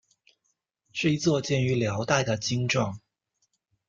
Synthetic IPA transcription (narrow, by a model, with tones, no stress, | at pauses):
ʂɻ̩˥˩i˧˥t͡swɔ˥˧t͡ɕjɛ˥˩ny˧˥ljɑ˧˥ʊt̪a˥˩ɪd̪ə˩t͡ɕi˥ŋʈ͡ʂwɑ˥˩ŋ